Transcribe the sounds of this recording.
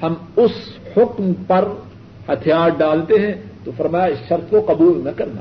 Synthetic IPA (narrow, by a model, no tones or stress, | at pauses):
hɐmʊshʊkmpɐɾ | hɐt̪ʰijaːɾɖaːlt̪eɦɛ̃t̪ofɐɾmaːjaɪsʃɐɾt̪koqɐbuːlnɐkɐɾna̰ː